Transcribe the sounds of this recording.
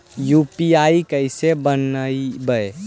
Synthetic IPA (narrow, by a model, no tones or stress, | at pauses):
jupiaikəɪsebənəibəe